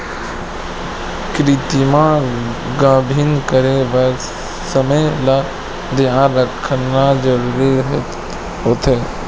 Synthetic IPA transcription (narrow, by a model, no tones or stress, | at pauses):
kɾit̪imã | ɡãːbʱinkəɾeʋəɾ | səməjla | d̪jãnɾəkʰənːad͡ʒəɾuːɾiɦ | ɦoːt̪ʰeː